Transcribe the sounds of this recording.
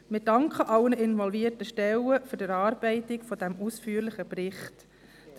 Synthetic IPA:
mɪd̥ɑŋkχəʔɑwənəʔɪnvɔlviəɾtəʃtɛwəfʏɾdəɾɑːɾb̥ɛɪtɪkfɔdæmuːsfyːəɾlɪχəprɪχt | d̥

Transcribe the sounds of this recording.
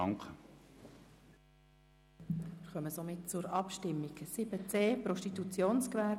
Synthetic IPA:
ŋk | ɪχœməsomɪt̚t͡sʊɾɑpʃtɪmːiksɪbət͡seːpɾɔʃtit̪ut͡sjoːnskʋæɾ

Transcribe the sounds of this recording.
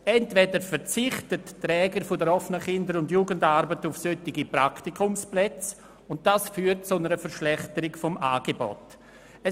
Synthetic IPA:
ɛntvɛdəɾfəɾt͡sɪχtəttɾɛːɡəɾfʊdəɾɔfənəχɪndəɾʊndjuːɡəndaɾbətufsøtɪɡipɾaktikʰʊmsplɛt͡s | ʊnt̚d̥asfyːɾt̚t͡sʊnəɾəfəɾʃlɛχtəɾɪkfɔmʔaːɡ̥ebɔ̰t | ɛ

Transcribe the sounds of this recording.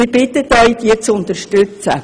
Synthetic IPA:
ɪɾb̥ɪt̪ət̪œʏd̥̪iət͡sʊnt̪əʃtøt͡sə̰

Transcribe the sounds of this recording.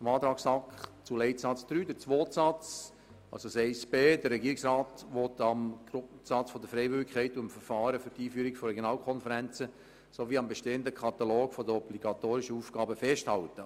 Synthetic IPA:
əmɑːt̪ɾɑːksɑkχt͡sulɛɪtsɑt͡sd̥̪ɾyːd̥əɾt͡sʋoːtsɑt͡s | ɑ̰lsosɛɪsb̥eːdərɛɡiːɾɪksrɑːtʋɔtɑmɡɾʊsɑt͡sfɔd̪əɾfɾɛɪvʏɾɪkʰːɛɪtuɪmfəɾfɑːɾəfyɾtiːfyːɾɪkfɔrɛɡjonɑːlkʰɔnfəɾɛnt͡sə | soʋiːɑmbeʃteːəndəkʰɑt̪ɑloːɡfɔdəɾɔbliɡ̥ɑt̪oːɾɪʃəuːfɡ̥ɑːbəfɛʃthɑltə

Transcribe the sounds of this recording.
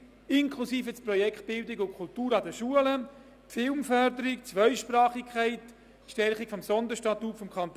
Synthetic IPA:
ɪŋkʰlusiːfət͡sprɔjɛkt̚b̥ɪldɪɡʊkʰʊltuːɾɑdəʃuələ | tfɪlmfœɾdəɾɪkt͡sʋœʏʃpɾɑːχikʰχaɪt | ʃtɛɾχikfɔmsɔnd̪əʃtɑtutfɔmkʰχɑnt̪

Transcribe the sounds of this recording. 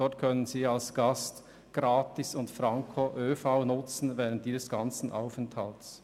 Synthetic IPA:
ɔtkʰœnənziːalsɡ̥ast | ɡ̥ʁaːtɪsʊntfɾaŋkʰoʔøːfaʊnʊt͡sn̩vɛːʁən̩t̚d̥iːzəsɡ̥ant͡sn̩ʔa̰ʊfɛnthalts

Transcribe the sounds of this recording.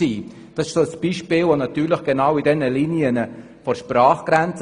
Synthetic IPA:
iː | d̥ɑsɪ̥ʃsoəsb̥iːʃpɪːlʋonɑtyːɾləχɡ̥enaʊidɛnəliːniənə | fɔɾʃpraːχɡ̥ɾɛnt͡s

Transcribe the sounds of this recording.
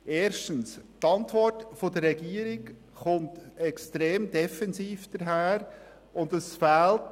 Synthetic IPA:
ʔeːɾʃtənstɑntʋɔrtfodəɾːɛɡiːəɾɪk | χʊntɛkstɾeːmd̥ɛfɛnziːfd̥əɾɦæːɾ | ʊndəsfæːlt

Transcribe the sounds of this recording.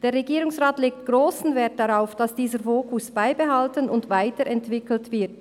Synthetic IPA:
d̥eːʁɛɡiːʁʊŋsʁaːtleːk̚tɡ̥ʁoːsn̩vɛɐt̚d̥aʁaʊfd̥asd̥iːzəɾfoːkʊsb̥aɪbeɦaltənʊndvaɪtəɾɛntv̥ɪkl̩tv̥ɪɐt

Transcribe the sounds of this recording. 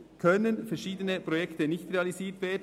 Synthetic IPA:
kʰœnənfɛɾʃiːdənəpɾojɛktənɪçtreɑliziːtʋeːd

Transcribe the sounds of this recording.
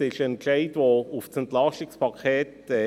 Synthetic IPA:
ɪʃənkʃeɪtʋoʊfsɛntlɑʃɪkspʰɑkʰeːtː

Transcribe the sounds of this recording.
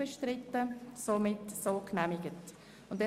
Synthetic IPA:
əʃtɾɪtːəsomɪtsoːknæmɪɡət | ʊndɛ

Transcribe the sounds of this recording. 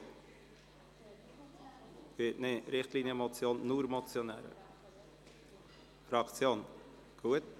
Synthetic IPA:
v̥ɪtnɪɾɪχt̪liːnjəmot͡sjoːnːuːɾmɔt͡sjonɛ̰ːɾə̰ | fɾɑkt͡sjoːn | ɡ̥uːət̪

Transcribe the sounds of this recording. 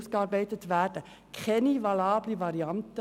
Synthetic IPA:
sɡ̥əɑːɾbɛɪtətʋærdə | kʰχɛnivɑlɑːblivɑɾiɑntə

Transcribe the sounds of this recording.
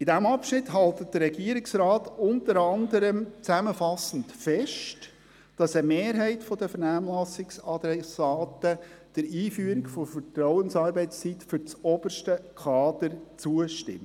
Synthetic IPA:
idæmɑpʃnɪtɦɑltət̚d̥əɾɾɛɡiəɾɪksɾɑːtʊntəɾɑnd̪əɾəmt͡sæməfɑsən̩tfɛʃt | d̥ɑsəmeːɾɦɛɪtfɔdəfəɾnæːmlɑsɪksɑd̪ɾɛsɑːtəd̥əɾiːfyːəɾɪkfɔfətɾɔʊənsɑːɾbɛɪst͡sitfʏɾt͡sɔb̥əʃtəkʰɑːdəɾt͡suəʃtɪ̰m

